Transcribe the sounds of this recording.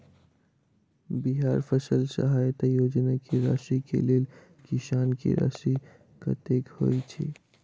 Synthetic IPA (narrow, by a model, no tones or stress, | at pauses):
biɦaːɾpʰəsəlsə̰ɦaːjt̪ajoːd͡ʒnakʰeɾa̰ʃikḛleːl | kiʃaːnkḛɾa̰si | kə̰t̪ekho̰jt͡ʃʰḭ